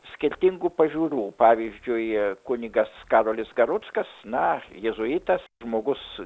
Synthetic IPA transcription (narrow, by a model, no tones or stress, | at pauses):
sʲkʲɪɾʲt̪ʲɪŋɡuːpɐʒʲuːɾuːpɑːʋʲizʲd͡ʒʲʊɪkʊnʲɪɡɐskɑːɾoːlʲɪsɡɐɾʊt̪skɐsnɐjɛzʊit̪ɐsʒmoːɡʊs